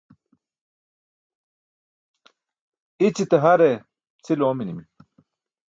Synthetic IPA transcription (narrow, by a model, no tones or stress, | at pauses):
it͡sit̪eɦɐɾe | t͡sʰiloːminimi